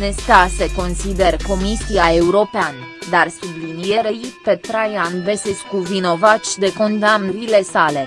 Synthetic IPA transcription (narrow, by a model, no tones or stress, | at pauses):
nest̪aseko̞nsid̪erko̞misiae̞uɾo̞peand̪arsublinijeɾeipet̪ɾajanbeseskuvino̞vat͡ʃʲd̪e̞ko̞nd̪amnəɾile̞sale̞